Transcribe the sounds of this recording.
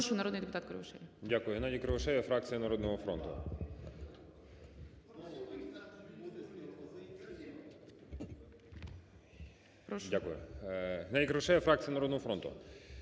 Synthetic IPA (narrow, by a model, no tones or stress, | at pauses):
ʃʊjnɐɾɔd̪nɨjd̪epʊt̪ɑt̪kɾeʋɐʃɛ̰lʲidʲakʊjʊɦenɑdʲikɾoʋʊʃɛjʲɛfɾak̚t̪sɨjɐnɐɾɔd̪nɔɦɔfɾo̰nt̪ʊ̰ | pɾɔdʲakʊjʊɦɪnɑdʲikɾɔʋʊʃɛjɛfɾak̚t̪ɨjɐnɐɾɔd̪nɔɦɔfɾont̪ʊ̰